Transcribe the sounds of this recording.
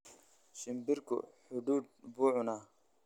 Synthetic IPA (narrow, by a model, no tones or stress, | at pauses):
ɕimbiɾkṵħuɖ̪uːd̪̚buʕuna